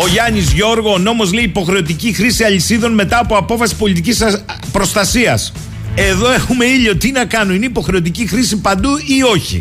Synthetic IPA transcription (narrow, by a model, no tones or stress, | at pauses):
o̞ʝɐɲizʝo̞ɾɣo̞ːno̞mo̞zle̞iːpo̞xɾe̞ot̪icixɾisiɐʎisiðo̞nme̞t̪ɐːpo̞ɐpo̞fɐsi̥po̞lit̪icisɐ | pɾo̞st̪ɐsiɐs | e̞ðo̞e̞xume̞iʎot̪inɐkɐnoineipo̞xɾe̞ot̪icixɾisipɐnd̪uio̞çḭ